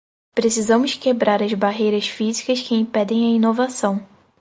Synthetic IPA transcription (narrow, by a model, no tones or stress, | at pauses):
pɾesizɐ̃mʊskebɾaɾɐzbaɦejɾɐsfizikɐskɪĩpɛd̪ẽj̃ɐinovasɐ̃w̃